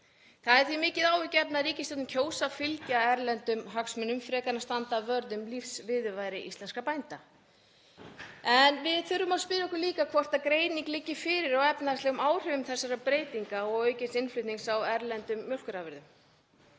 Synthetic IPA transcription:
θaðɛɾ̥θimɪːcɪðaːwʏcɛpnaðɾiːcɪst̪ɛt̪mcʰoːwsafɪlcaɛɾlɛnt̪ʏmɦaksmɛnʏmfɾɛːkaɾnast̪ant̪avœɾðʏmlifsvɪðʏvajɾɪʔḭst̪lɛnskapajnt̪a | ɛnvɪðθʏɾːʏmawspɪːɾɪɛhkʏliːkakʰvɔr̥t̪aðkɾeːjniŋklɪcːɪfɪːɾɪɾawɛpnaðast̪ɛɣʏmaːwr̥ɛvʏmθɛsːaɾapɾeːjt̪iŋkaɔɣœːɥcɪnsɪnflʏɥt̪niŋksawɛɾlɛnt̪ʏmːjœwl̥kʏɾavɛɾðʏm

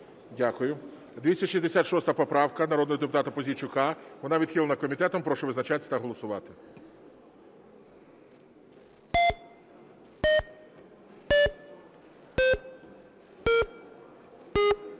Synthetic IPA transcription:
dʲakʊjʊ | d̪ʋʲisʲɐʃʲizʲd̪esʲat̪ʃɔst̪ɐpɔpɾɑwkɐnɐɾɔd̪nɔɦɔd̪ep̬ʊt̪ɑt̪ɐpɔzʲit͡ʃʊkɑʋɔnɑʋʲid̪xʲilˠɐnɐkɔmʲit̪ɛt̪ɔmpɾɔʃɔʋɪznɐt͡ʃat̪esʲɐt̪ɐɦɔlˠɔsʊʋɑt̪ɪ

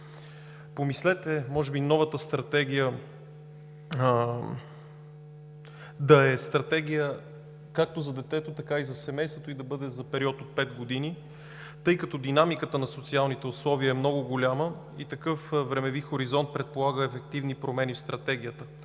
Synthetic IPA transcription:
pomislɛt̪ɛmɔʒɛbinɔvət̪əst̪ɾɐt̪ɛɡ̟ijə | d̪ɐɛst̪ɾɐt̪ɛɡʲijə | kak̚t̪ozɐd̪ɛt̪ɛt̪ot̪ɐkaizɐsɛmɛjst̪vot̪oid̪ɐbɤd̪ɛzɐpɛɾiɔt̪ot̪̚pɛt̪ɡod̪ini | t̪ɤjkɐt̪ɔd̪inamikət̪ənɐsot̪sialˠnit̪ɛʊslˠɔviəɛmnɔɡʊɡolʲamə | it̪ɐkɤfvɾɛmɛvixoɾizɔnt̪̚pɾɛt̪̚polˠaɡəɛfɛk̚t̪ivnipɾomɛnifst̪ɾɐt̪ɛɡʲijət̪ə

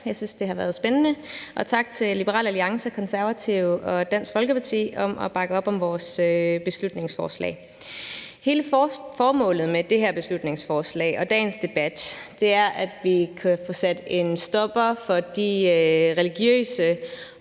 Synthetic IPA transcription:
jɑ̈ɪsynsd̥e̝ɦhɑ̈ʋæːɐð̞̩ˠsb̥enənəʔɒ̽t͡sʰɑ̈ɡ̥̚t͡sʰe̝llib̥əʁɑ̰ːlæliɑ̈ŋsəkʰɒ̽nsæɐʋæt͡sʰiʊ̰ɒ̽d̥æn̰sɡ̥fɒlɡ̥əpʰɑ̈t͡sʰḭːɒ̽mʔɒ̽b̥ɑ̈ɡ̥əɒ̽b̥ɒ̽mʋɒːsøb̥e̝slud̥ne̝ŋsfɒːslɛ̰ːɪ | he̝ːləfɒːmɔ̰̽ːlð̞̩ˠmed̥e̝heɐ̰b̥e̝slud̥ne̝ŋsfɒːslɛ̰ːɪɒ̽d̥ɛ̰ːnsd̥e̝b̥æd̥d̥e̝æɐʔæd̥ʋikʰæfɔ̰̽ːsæd̥e̝nsd̥ɒ̽b̥ɐfɒ̽d̥iʁɛliɡ̥jø̰ːsə

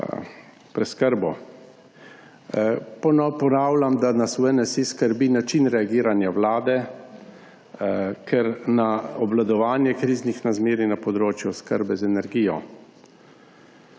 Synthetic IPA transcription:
pɾɛskəɾbɔ | pɔnpɔnaːwlamd̪anasuɛnɛsiskəɾbinat͡ʃinɾɛaɡiːɾanjawlaːd̪ɛ | kʰɛɾnaɔblad̪ɔʋaːnjɛkɾiːznixnazmeːɾinapɔd̪ɾoːt͡ʃjuskəɾbɛzɛnɛɾɡiːjɔ̰

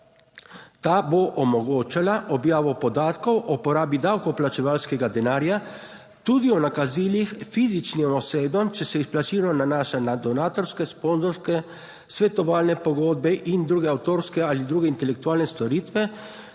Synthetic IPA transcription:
t̪aːboʔɔmɔɡoːt͡ʃalaʔɔbjaːʋɔpɔd̪aːt̪kɔwʔɔpɔɾaːbid̪awkɔplat͡ʃɛʋaːlskɛɡad̪ɛnaːɾja | t̪ud̪iɔnakazilixfiːzit͡ʃnimɔseːbɔmt͡ʃɛsɛisplat͡ʃiɾnɔnanaːʃanad̪ɔnaːt̪ɔɾskɛsponzɔɾskɛ | sʋɛt̪ɔʋaːlnɛpɔɡoːd̪̚bɛʔind̪ɾuːɡɛawt̪oːɾskɛalid̪ɾuːɡɛint̪ɛlɛk̚t̪uaːlnɛst̪ɔɾiːt̪ʋɛ

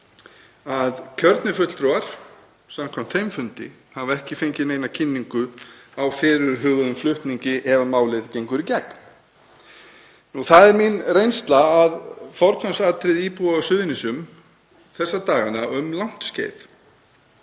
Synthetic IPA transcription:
aðcʰœɾt̪nɪfʏt̪l̥t̪ɾɔaɾ̥ | samkʰvam̥t̪fejmfʏnt̪ɪ̰ | havɛhcɪfejɲcɪmeːjnacʰɪnːiŋkʏawfɪːɾʏɾɦʏɣðʏðʏmflʏht̪niɲcɪʔɛvamaːwlɪðcejŋkʏɾicɛk | nuθaðɛɾminrejnst̪laaðfɔɾk̪ʰansaːt̪ɾɪðiːpuaɔsʏðɪnɪsʏm | θɛsːat̪aːɣanaʏmlawn̥t̪scḛːjt̪

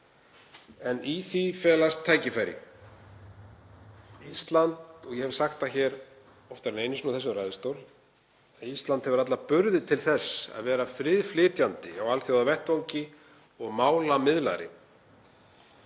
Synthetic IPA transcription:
ɛniθifɛːlast̪ʰːaːjcɪfajɾɪ̰ | ist̪lant̪ɔɣjɛhɛv̥saxt̪açɛːɾ | ɔft̪aɾɛnejnɪsnuθɛs̬ʏmrajðɪst̪owɾl | aðist̪lant̪hɛvʏɾat̪̬lapʏɾðɪt̪ʰɪlθɛsːa̰ðvɛːɾafɾɪðflɪːt̪jant̪ɪawalθjowðavɛht̪vawɲcɪ | ɔɣmaːwlamɪðla̰ɾɪ̰

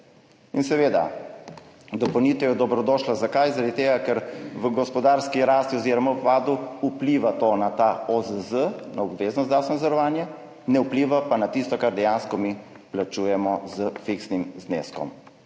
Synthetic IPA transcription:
insɛʋeːd̪a̰ | d̪ɔpəwnit̪ɛjɛd̪ɔbɾɔd̪ɔːʃlazakajzaɾad̪it̪eːɡakɛɾʋəɡɔspɔd̪aɾskiɾaːst̪iɔziɾɔmapaːd̪uupliʋat̪onat̪aɔzəzənaɔbʋeːznɔst̪asnazəɾɔʋaːnjɛ | nɛupliʋapanat̪ist̪ɔkaɾd̪ɛjanskɔmi | plat͡ʃuːjɛmɔzəfiksnimznḛːskɔ̰m

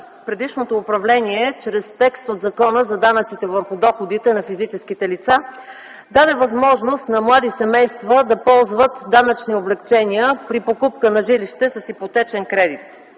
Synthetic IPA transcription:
pɾɛd̪iʃnot̪oːpɾɐvlɛniɛt͡ʃɾɛst̪ɛkst̪od̪zɐkɔnəzɐd̪anət̪sit̪ɛvəɾxʊd̪ɔxod̪it̪ɛnɐfizit͡ʃɛskit̪ɛlit̪sa | d̪ad̪ɛvɐzmɔʒnost̪nɐmlˠad̪isɛmɛjst̪vəd̪ɐpɔlˠzvət̪d̪anət͡ʃnioblɛkt͡ʃɛniəpɾipokup̚kənɐʒiliʃt̪ɛsɐsxipot̪ɛt͡ʃɛnkɾɛd̪it̪

